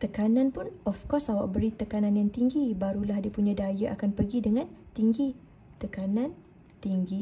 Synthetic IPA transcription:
t̪əkanãnpʊnɔfkɔsawa̰ʔ̚bəɾit̪əkanãnjaŋt̪iŋɡibaɾulahdipuɲãdajaʔakanpəɡidəŋãnt̪iŋɡi | t̪əkanãn | t̪iŋɡi

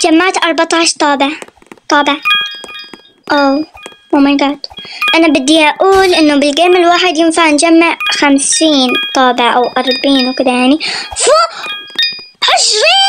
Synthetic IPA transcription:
d͡ʒamːaʕt̪ʔɑɾˤbɑt̪ˤɑːʃt̪ˤɑːbɪʕ | t̪ˤɑːbɪʕ | ʔomamanɡaʕt̪ʔanabɪd̪ːiʔaʔuːlʔɪnːʊbɪlɡeːmɪlwaːħɪd̪jɪnfaʕnd͡ʒamːaʕxamsiːnt̪ˤɑːbɪʕʔawʔɑɾˤbiːnwkɪd̪ajaʕnifu | hɪʃwiː

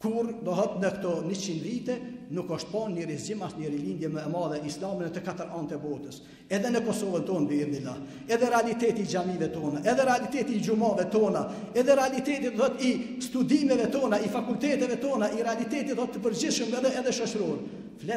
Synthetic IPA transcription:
kuɾd̪ɔɦɔt̪nəkt̪ɔnit͡ʃind̪vit̪ɛnukɔʃt̪̚pɔnɲəɾizimaʃt̪ɲəɾilind̪jɛmɛmɑðɛislamɛnɛt̪əkat̪əɾant̪ɛbɔt̪əs | ɛðɛnəkɔsɔvənt̪ɔnb̪iɛɾd̪ila | ɛðɛɾɛalit̪ɛt̪iːd͡ʒamivɛt̪ɔnaʔɛðɛɾɛalit̪ɛt̪iːd͡ʒumɑvɛt̪ɔna | ɛðɛɾɛalit̪ɛt̪itd̪ɔθɔt̪ist̪ud̪imɛvɛt̪ɔnaifakult̪ɛt̪ɛvɛt̪ɔnaʔiɾɛalit̪ɛt̪it̪ɔt̪ːəpəɾd͡ʑiθʃəmɛðɛːðɛʃɔt͡ʃɾɔn | flɛ

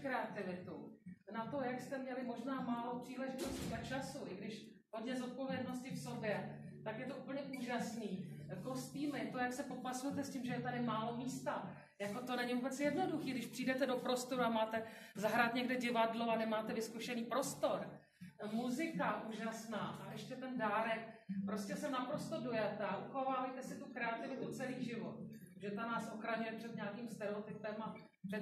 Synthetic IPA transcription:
kɾɛat̪ɪvɪt̪ṵnat̪o̞jakst̪ɛmɲɛlɪmo̞ʒnaːmaːlo̞pr̝̥iːlɛʒɪt̪o̞sciːat͡ʃasuʔɪɡdɪʃ | ɦo̞dɲɛzot̪̚po̞vjɛdno̞scɪfso̞bjɛ | t̪akjɛt̪o̞ʔupl̩ɲɛʔuːʒasniːko̞st̪iːmɪt̪o̞jaksɛpopasujɛt̪ɛscɪmʒɛjɛt̪adɪmaːlo̞miːst̪a | jako̞t̪o̞nɛɲɪvuːbɛt͡sjɛdno̞duxiːɡdɪʃpr̥iːdɛt̪ɛdo̞pɾo̞st̪o̞ɾuamaːt̪ɛzaɦɾaːt̪ɲɛɡdɛɟɪvadloanɛmaːt̪ɛvɪskuʃɛniːpɾo̞st̪o̞ɾ | muzɪkaʔuːʒasnaːʔaʔɛʃcɛt̪ɛndaːɾɛkpɾo̞scɛsɛnapɾo̞st̪o̞do̞jat̪ɛaʔuxo̞vaːvɛjt̪ɛsɪt̪ukɾɛat̪ɪvɪt̪ut͡sɛliːʒɪvo̞t̪̚ | ʒɛt̪anaːsʔoxɾaɲujɛpr̝̥ɛt̪ɲaːkiːmst̪ɛɾɛot̪ɪpɛmḁ | ɛ

